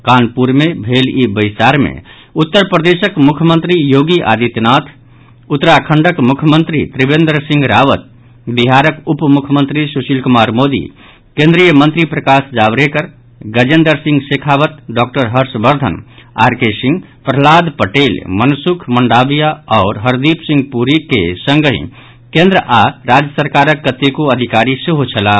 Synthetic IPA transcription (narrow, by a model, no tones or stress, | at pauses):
kanpuɾmebʱelibəjsaɾmḛ | ut̪ːəɾpɾəd̪esəkmukʰjəmə̃nt̪ɾijoɡiʔa̰d̪it̪nat̪ʰ | ut̪ːɾakʰəɳɖəkmukʰjəmənt̪ɾḭt̪ɾibẽnd̪əɾsĩŋɡɾaʋət̪̚ | biɦaɾəkupmukʰəmənt̪ɾisusilkumaɾmod̪ḭ | kẽnd̪ɾijəmə̃nt̪ɾipɾəkasd͡ʒabɾekəɾ | ɡəd͡ʒend̪əɾsĩŋɡsekʰabət̪ɖɔkʈəɾɦəɾsbəɾd̪ʱə̰na̰ɾkesĩŋɡ | pɾəɦlad̪pəʈelmənsukʰməɳɖabijaɔːɾɦəɾd̪ipsĩŋɡpuɾikḛsəŋɡəɦḭ̃ | kẽnd̪ɾəʔaɾad͡ʒjəsəɾkaɾəkːət̪ekuəd̪ʱikaɾiseɦut͡ʃʰəla